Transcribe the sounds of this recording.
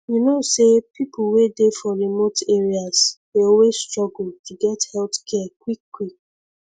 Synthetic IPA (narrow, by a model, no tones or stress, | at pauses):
junosepipʰuwedefɔɹimoteɹiasdeowestɹɔɡul̩tuɡɛthɛltkʰɛkwikːwik̚